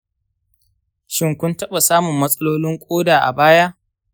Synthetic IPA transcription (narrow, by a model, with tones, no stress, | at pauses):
ʃɪ˦ŋkʷʊ˦ntɐ˦ɓa˨saː˦mʊ˨mːɐ˦sʼɐ˦loː˦lɪ˦ŋkʷʼoː˦daː˨ʔa̰˨baː˦ja˦ʔ